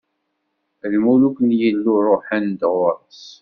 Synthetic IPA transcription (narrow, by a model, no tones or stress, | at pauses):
ðmulukənjilːurˤoħænd̪ʁʊɾˤəs